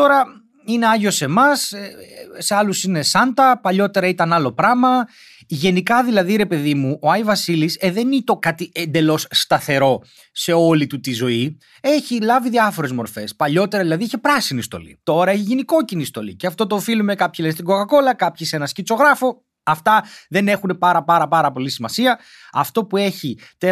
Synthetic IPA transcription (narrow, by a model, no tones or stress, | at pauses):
t̪o̞ɾɐ | ine̞ɐʝo̞se̞mɐs | se̞ɐlusine̞sɐnd̪ɐpɐʎo̞t̪e̞ɾɐit̪ɐnɐlo̞pɾɐmɐ | ʝe̞nikɐðilɐðiɾe̞pe̞ðimuʔo̞ɐjvɐsiliseðe̞nit̪o̞kɐt̪iend̪e̞lo̞sːt̪ɐθe̞ɾo̞ | se̞o̞lit̪ut̪izo̞i | e̞çilɐviðiɐfo̞ɾe̞zmo̞ɾfe̞spɐʎo̞t̪e̞ɾɐðilɐðieçepɾɐsinist̪o̞̰lḭt̪o̞ɾɐeçiʝiniko̞cinist̪o̞̰lḭceɐft̪o̞t̪oːfilume̞kɐpçilenst̪iɡokɐko̞lɐkɐpçise̞nɐscit͡so̞ɣɾɐfo̞ | ɐft̪ɐðe̞ne̞xune̞pɐɾɐpɐɾɐpɐɾɐpo̞lisimɐsiɐ | ɐft̪o̞pue̞çit̪e